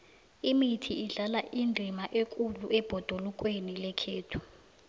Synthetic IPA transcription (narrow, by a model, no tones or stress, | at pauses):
imitʰiːɮalaʔindʱimaʔekʼuluʔɛb̥ʱɔd̥ʱolukʼwenilɛkʰeːtʰu̥